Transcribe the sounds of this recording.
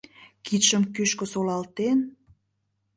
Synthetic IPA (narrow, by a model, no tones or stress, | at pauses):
kit̪ʃəmkyʃkŏsolɑlt̪en